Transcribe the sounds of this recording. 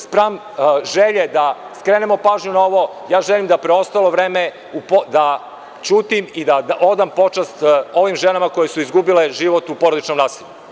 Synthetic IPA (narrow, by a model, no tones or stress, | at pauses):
spɾaːm | ʒeʎed̪askɾenemo̞paːʒɲunao̞ʋo | jaːʒelimd̪apɾeo̞st̪alo̞ʋɾeːme | upod̪a | t͡ʃuːt̪imid̪aʔo̞d̪ampo̞t͡ʃast̪o̞ʋimʒenamako̞je̞suizɡubile̞ʒiʋot̪upo̞ɾod̪it͡ʃno̞mnaːsiʎu